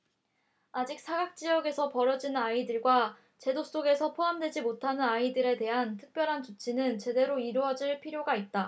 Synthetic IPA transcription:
ad͡ʑik̚sʰaɡak̚t͡ɕ͈iʌɡe̞sʰʌpʌɾʌd͡ʑinaidɯɭɡwa | t͡ɕe̞doss͈oɡe̞sʰʌpʰoɦamdwe̞d͡ʑimotʰanɯnaidɯɾe̞te̞ɦantʰɯ̥k̚p͈jʌɾɦant͡ɕot͡ɕʰinɯnt͡ɕe̞de̞ɾoiɾuʌd͡ʑiɭpʰiɾjoɡait̚t͈a

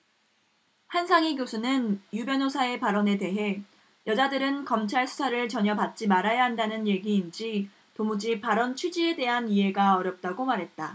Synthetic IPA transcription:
hansʰaŋiɡjosʰunɯnjubjʌnosʰae̞paɾʌne̞te̞ɦe̞ | jʌd͡ʑadɯɾɯnkʌmt͡ɕʰaɭsʰu̥sʰaɾɯɭt͡ɕʌɲʌpat̚t͡ɕ͈imaɾajaɦandanɯnje̞ɡiːnd͡ʑi | tomud͡ʑipaɾʌnt͡ɕʰud͡ʑie̞de̞ɦaniɦe̞ɡaʌɾjʌp̚t͈aɡomaɾɦe̞t̚t͈a

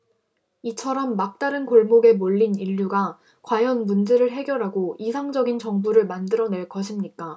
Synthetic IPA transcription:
it͡ɕʰʌɾʌmːak̚t͈aɾɯnkoɭmoɡe̞moʎːiniʎːuɡa | kwajʌnmund͡ʑe̞ɾɯɭɦe̞ɡjʌɾɦaɡoisʰaŋd͡ʑʌɡint͡ɕʌŋbuɾɯɭmandɯɾʌne̞ɭk͈ʌɕʰimɲik͈a

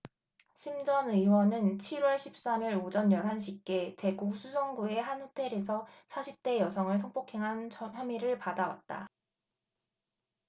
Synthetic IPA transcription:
ɕʰimd͡ʑʌnɯwʌnɯnt͡ɕʰiɾwʌɭɕʰip̚s͈amiɾod͡ʑʌnjʌɾɦanɕʰikk͈e̞te̞ɡuk̚sʰusʰʌŋɡue̞ɦanhotʰe̞ɾe̞sʰʌsʰaɕʰip̚t͈e̞jʌsʰʌŋɯɭsʰʌŋp͈okʰe̞ŋɦanʰʌçjʌmiɾɯɭpadawa̰t̚t͈a̰

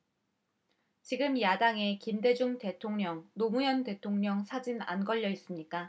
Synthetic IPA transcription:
t͡ɕiɡɯmjadaŋe̞kimde̞d͡ʑuŋte̞tʰoŋɲʌŋnomujʌnte̞tʰoŋɲʌŋsʰad͡ʑina̰nɡʌʎːʌis͈ɯmɲik͈a

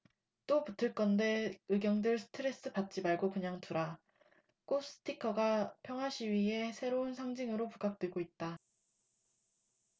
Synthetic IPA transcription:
t͈oputʰɯɭk͈ʌnde̞ɯɡjʌŋdɯɭsʰɯ̥tʰɯɾe̞s͈ɯpat̚t͡ɕ͈imaɭɡokɯɲaŋtuɾa | k͈os͈ɯ̥tʰikʰʌɡapʰjʌŋɦwaɕʰiɥiɦe̞sʰe̞ɾounsʰaŋd͡ʑiŋɯɾopuɡ͈ak̚t͈weɡoit̚t͈a

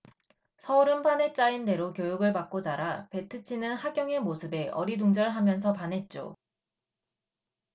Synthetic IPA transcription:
sʰʌuɾɯnpʰanɦe̞t͡ɕ͈ainde̞ɾokjojuɡɯɭpak̚k͈od͡ʑaɾape̞tʰɯt͡ɕʰinɯnhaɡjʌŋe̞mosʰɯbe̞ʔʌɾiduŋd͡ʑʌɭɦamjʌns̬ʰʌpanɦe̞t̚t͡ɕ͈o̰

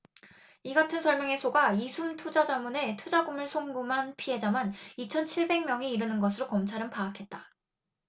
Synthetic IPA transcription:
iɡatʰɯnsʰʌɭmjʌŋe̞sʰoɡaisʰumtʰud͡ʑad͡ʑamune̞tʰud͡ʑaɡumɯɭsʰoŋɡumɦanpʰiɦe̞d͡ʑamanit͡ɕʰʌnt͡ɕʰiɭbe̞ŋmʲjʌŋiiɾɯnɯnɡʌs̬ʰɯɾokʌmt͡ɕʰaɾɯnpaːkʰe̞t̚t͈a

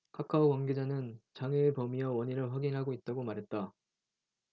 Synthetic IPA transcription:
kʰakʰaokwaŋɡe̞d͡ʑanɯnt͡ɕaŋɯːpʌmijʌwʌɲiɾɯɭɸwaɡinɦaɡoit̚t͈aɡomaɾɦe̞t̚t͈a

